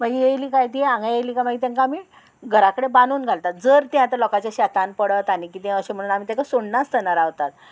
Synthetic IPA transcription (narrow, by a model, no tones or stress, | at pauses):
məɡijejliːkajt̪ieãŋɡajejlikamaɡit̪ãŋkaːmi | ɡʱəɾakəɽebanuːnɡʱalt̪at̪̚d͡zəɾt̪ãt̪əlɔkat͡ɕjaɕat̪anpəɽət̪anikit̪ɛ̃əɕem̤əɽuːnam̤it̪ɛ̃kasoɽnast̪ənaɾaʋt̪at̪̚